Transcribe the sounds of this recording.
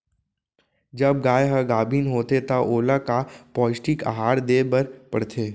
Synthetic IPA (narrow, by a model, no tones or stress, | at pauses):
d͡ʒɐb̚ɡaːjɦəɡaːbʱiːnɦoːt̪et̪ɐʔoːlakapɔːɪsʈika̰ɦaːɾd̪eːbəɾpəɽt̪ʰeː